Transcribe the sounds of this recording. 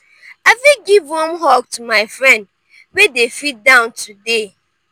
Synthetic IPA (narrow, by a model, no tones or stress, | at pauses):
afiɡivhɔ̃mɦɔk̚tumaɪfɹɛ̃nd | wedefit̚dãʊ̃ntʰude